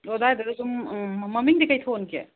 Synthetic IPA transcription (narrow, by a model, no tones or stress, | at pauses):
odajdɐɾɐdummɐmiŋdikajtʰonkḛ